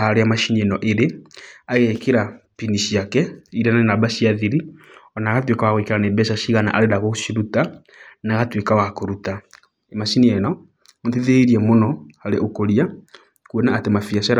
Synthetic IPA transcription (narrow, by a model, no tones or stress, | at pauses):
aɾeamaʃiniɛnɔʔeɾeaɣekeɾapiniʃiakɛiɾanaenabaʃiaðiɾiɔnaɣatwekawaɣwekeɾanebɛʃaʃiɣana̰ʔaɾedaɣoʃiɾuta | naɣatwekawakoɾuta | emaʃiniɛnɔ | teðeiɾiɛmonɔaɾeʔokoɾia | kuɔnaːtemafiasaɾ